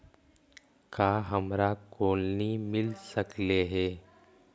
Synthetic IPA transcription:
kaːɦəmɾakoːlnimɪlsəkleɦɛː

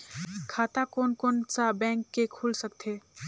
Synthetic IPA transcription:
kʰat̪akonkont͡ʃabɛ̃ŋkːekʰulsəkt̪ʰe

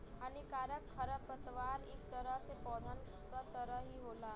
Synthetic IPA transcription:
ɦaːnikaːɾəkkʰɐɾəpət̪ʋaːɾeːkt̪əɾəɦsepɔːd̪ʱən | kat̪əɾəɦɦiɦoːlaː

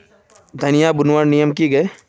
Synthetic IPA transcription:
d̪ʱɐnijabʊnʋaɽnijəmkiɡɐe

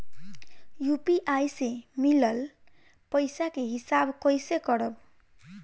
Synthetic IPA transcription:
jupiʔajsemilʌl | pʌjsakeɦisabkʌjsekʌɽʌb

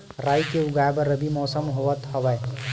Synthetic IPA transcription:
ɾaːikeʊɡaːebɐɾɐbimɔːsəmɦoʋət̪hɐʋaj

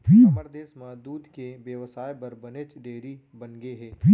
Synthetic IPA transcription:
fʰipɐɾd̪eːsmãd̪uːd̪keʋjəʋsaːjpɐɾbɐnet͡ʃɖeːɾi | bɐnɡeɦɛːfʰi

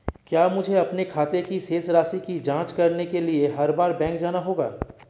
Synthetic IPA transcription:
kjaːmʊd͡ʒʱeɐpnekʰaːt̪ekiseːsɾaːsikid͡ʒãːt͡ʃkɐɾnekelieɦɐɾbaːɾbɛ̃ːŋkd͡ʒaːnaɦoːɡa̰ː

